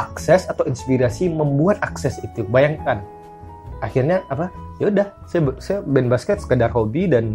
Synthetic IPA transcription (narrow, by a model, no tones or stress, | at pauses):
ʔaksɛsat̪awinspiɾasiməmbuat̪aksɛsit̪ubajaŋkan | axirɲaapajaudahsajabsajabɛnbaskɛt̪̚sə̥kədarɦobidan